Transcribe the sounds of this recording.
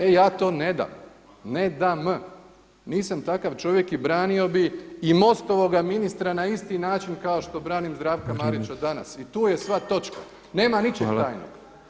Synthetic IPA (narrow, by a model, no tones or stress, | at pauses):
ejaːt̪o̞ːne̞d̪a̰m | ne̞d̪am | niːsamt̪akaʋt͡ʃo̞ʋje̞kibɾaːnio̞biimo̞st̪oʋo̞ɡaminist̪ɾanaist̪inaːt͡ʃinkao̞ʃt̪o̞bɾaːnimzd̪ɾaːʋkamaɾit͡ɕad̪ana̰sit̪uːje̞sʋat̪o̞t͡ʃka | neːmanit͡ʃet̪aːjno̰ɡ